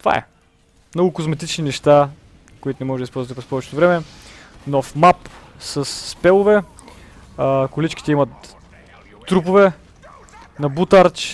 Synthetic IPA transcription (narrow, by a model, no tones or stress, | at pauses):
t̪va̰ɛ̰ | mnɔɡʊkozmɛt̪it͡ʃninɛʃt̪a | koʊit̪ʊnɛmɔʒɛd̪ispɔlˠzvət̪pɾɛspɔvɛt͡ʃɛ̥t̪ovɾɛmɛnɔfmap | sɐsːpɛlˠʊvɛ | kʊlit͡ʃki̥t̪ɛimɐt̪ː | ɾupʊvɛ | nɐbut̪aɾt͡ʃ